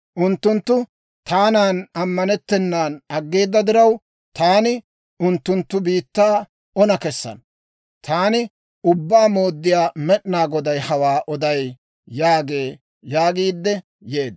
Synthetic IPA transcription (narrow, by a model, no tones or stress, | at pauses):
ʔʊnt̪ːʊnt̪ːʊ | t̪aːnaːnɐmːɐnɛt̪ːɛnːaːnɐɡːeːd̪ːɐd̪ɪɾɐw | t̪aːnɪ | ʊnt̪ːʊnt̪ːʊbiːt̪ːaː | ɔnɐkɛsːɐ̰n | t̪ʰaːnɪ | ʊbːaːmo̞ːd̪ːɪjaːmɛɗnaːɡɔd̪ɐjhɐwaːʔɔd̪ɐjː | aːɡe̞ː | jaːɡiːd̪ːɛ | je̞ːd̪